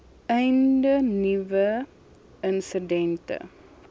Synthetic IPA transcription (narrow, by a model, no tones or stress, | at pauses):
ɛjndənivə | ənsədɛntə̰